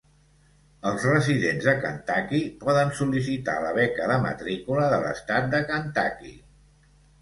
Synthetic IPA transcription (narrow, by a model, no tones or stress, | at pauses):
əlˠzrəziðenzðəkənt̪akipɔðənsulis̬it̪a̰ləβɛkəðəmə̰t̪ɾikuləðələ̰st̪at̪̚d̪əkənt̪akḭ